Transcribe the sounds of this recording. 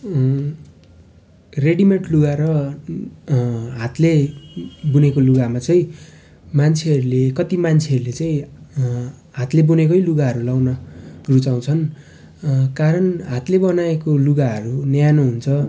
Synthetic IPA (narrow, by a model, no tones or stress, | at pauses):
reɽimeɳʈluɡaɾʌ | ɦat̪le | bunekoluɡamat͡saĩ | mant͡sʰeɦʌɾulekʌt̪imant͡sʰeʌɾulet͡saĩ | ɦat̪lebunekʌjluɡaɦʌɾulawnʌɡrut͡saw̃t͡sʰʌn | kaɾʌnɦat̪lebʌnaekoluɡaɦʌɾunjjanoɦunt͡sʰʌ